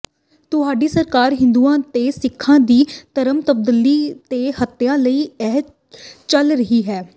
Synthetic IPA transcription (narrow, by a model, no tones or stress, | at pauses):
t̪ʊɦaːɖiːsəɾkaːɾɦɪ̃nd̪uːãːt̪eːsɪkʰːãːd̪iːt̪əɾəmt̪əb̚d̪əliːt̪eːhət̪ːejãːləiːɛɦ | t͡ʃəlɾəɦiːɦɛː